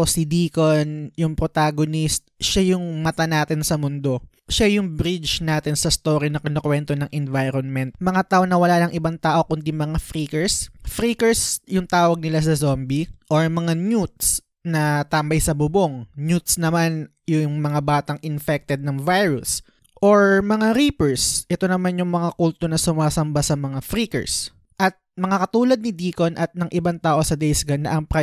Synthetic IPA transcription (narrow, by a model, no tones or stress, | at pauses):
sid̪iːkonjʊŋpɾot̪aɡonist̪̚ʃajʊŋmɐt̪anaːt̪ɪnsɐmʊnd̪o̞ | ʃajʊŋbɾid͡ʒnaːt̪ɪnsɐst̪oːɾinɐkɪnokwɛnt̪onɐŋʔɛnvajɾonmɛnt̪̚mɐŋat̪aːʔonɐwɐlaːnɐŋʔɪbaŋt̪aːʔo̞kʊnd̪imɐŋafɾiːkɛɹsfɾiːkɛɹsjʊŋt̪aːwɐɡ̚nɪlas̬ɐzombiʔoɹmɐŋaɲjut̪̚s | nɐt̪aːmbɐjsɐbʊboŋnjut̪̚snɐman | jʊŋmɐŋabaːt̪ɐŋʔɪnfɛk̚t̪ɛd̪̚nɐŋvajɹʊs | ʔoɹmɐŋaɾiːpɛɹsʔɛt̪o̞nɐmanjʊŋmɐŋakuːlt̪onɐsʊmaːsɐmbasɐmɐŋafɾikɛ̰ɹs | ʔɐt̪̚mɐŋakɐt̪uːlɐd̪̚nɪd̪iːko̞nʔɐt̪̚nɐŋʔɪbaŋt̪aːʔo̞sɐd̪ɛjsɡɐnːɐʔɐŋpɾɐ